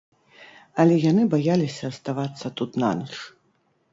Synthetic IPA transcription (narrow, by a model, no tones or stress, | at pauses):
ɐlʲɛjanɨbajalʲisʲɐːst̪avat̪sːɐt̪ut̪na̰nɨʂ